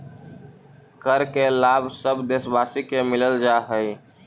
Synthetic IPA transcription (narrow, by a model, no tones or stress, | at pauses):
kəɾkelabsəbd̪esbasikemɪləld͡ʒaɦəj